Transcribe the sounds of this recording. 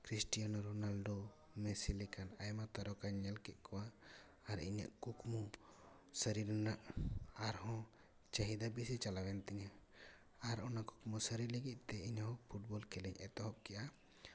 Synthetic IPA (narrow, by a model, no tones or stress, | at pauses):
kɾisʈijanɔɾɔnalɖo | mɛsilɛkanajmat̪aɾɔkaɲɛlkɛʔ̚ˀkʰɔwaː | ɾḭɲa̰ʔkukmu | səɾiɾnaʔaɾhɔ̃ | t͡ʃaɦid̪abisit͡ʃalawɛnt̪ɛɲa | aɾɔnaku̥kmusəɾiɾləɡic̪̚ˀt̪ɛiɲahɔpʰuʈ̚bɔlkɛlɛɲɛt̪ɔɦɔp̚kɛʔa